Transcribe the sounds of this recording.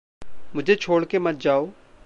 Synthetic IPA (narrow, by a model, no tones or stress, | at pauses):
mʊd͡ʑʱet͡ʃʰoːɽkemɐt̪̚d͡ʒaːoː